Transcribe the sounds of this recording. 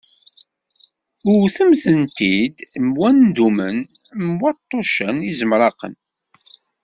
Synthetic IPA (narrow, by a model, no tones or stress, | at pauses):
ʊɾθəmθənt̪id̪mwænːd̪umə̰nmwət̪ˤːoʃənizəmɾˤɑqə̰n